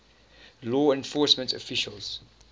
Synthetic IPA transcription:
lɔːɛ̃nfɔːˑsmə̃ntɔ̰fɪʃəlz̥

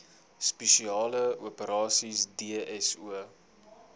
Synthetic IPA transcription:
speʃiɑːləuəpəɾɑːsisdiəɛsuə

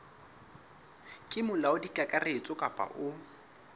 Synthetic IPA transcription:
kʼɪmʊlaʊdikʼakʼaret͡sʼʊkʼapʼa̰ʔʊ

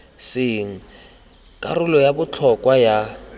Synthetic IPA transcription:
sɪŋ̩ | kʼa̰rʊlɔjabʊt͡ɬʰɔkʼwaja

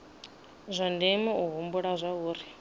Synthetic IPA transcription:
zʷandimiuɦumbuɺazʷauːɾi

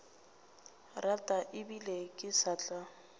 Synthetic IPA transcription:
ratʼaʔɪbilekʼɪsat͡ɬʼa

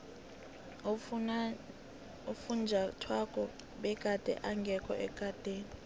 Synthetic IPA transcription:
ufund͡ʒʱatʰwakʼɔ | ɓɛkʼad̥ʼʱɛ̰ʔaŋɡʱɛkʰɔ̰ʔɛkʼad̥ʱeːni

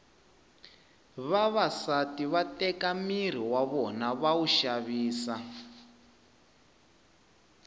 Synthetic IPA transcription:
βaβasatiβatɛkamiɾ̤iwaβɔnaβauʃaβiːsa

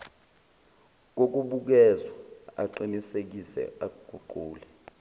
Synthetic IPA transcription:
k̬ok̬uɓuk̬ɛzwaa̰ǃinisek̬isɛ̰aɡ̥ʱuǃuːlɛ

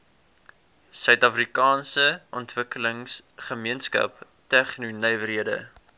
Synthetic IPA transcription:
sœɥtɐfrikɑːnsəʔɔntvəkələŋsχəmiənskɐ̰p | tɛχnunœjvəɾiədə̰

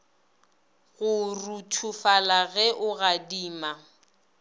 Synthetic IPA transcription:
ɣʊrutʰufalaɣɛʔʊɣadiːma

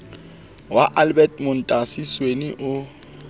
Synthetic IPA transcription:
waʔalbɛtʼmʊn̩tʼasisweniʔʊ

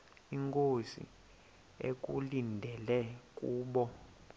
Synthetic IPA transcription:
iŋkʼozḭ | ḛk̬ʼṵlindʱɛlɛkʼuːɓɔ

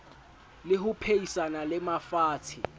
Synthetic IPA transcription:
lɪɦʊpʰeisanalɪmafaːtʰɪ

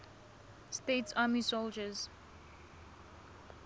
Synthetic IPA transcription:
steːtsaːmisold͡ʒəz̥

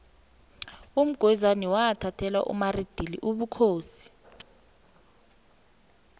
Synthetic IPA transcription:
um̩ɡ̥ʱwɛzaniwaːtʰatʰɛla̰ʔṵmarid̥ʱilḭʔuɓukʰoːsi̥

